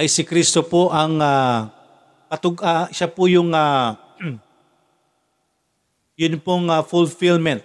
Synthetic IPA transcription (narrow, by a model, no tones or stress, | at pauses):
ʔɐjsɪkɾist̪opoʔaŋa | kɐt̪ʊɡaʃapʊjʊŋa | jʊnpʊŋafʊlfilmɛnt̪̚